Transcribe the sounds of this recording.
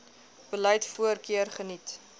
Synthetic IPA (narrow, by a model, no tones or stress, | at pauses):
b̥əlœjtfuərkiərχənit